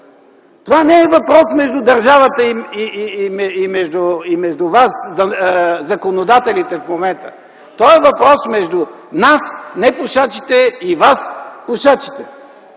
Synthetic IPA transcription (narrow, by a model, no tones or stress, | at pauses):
t̪ovanɛɛvɐpɾɔsmɛʒd̪ʊd̪ɐɾʒavət̪əiiimɛimɛʒd̪ʊimɛʒd̪ʊvas | zɐkonod̪at̪ɛlit̪ɛfmomɛnt̪ə | t̪ɔɛvɐpɾɔsmɛʒd̪ʊnasnɛpʊʃat͡ʃit̪ɛivaspʊʃat͡ʃi̥t̪ɛ